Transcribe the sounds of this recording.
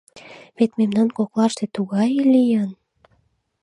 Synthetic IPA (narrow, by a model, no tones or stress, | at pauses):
βet̪memnɑnkoklɑʃt̪et̪uɣɑjlijən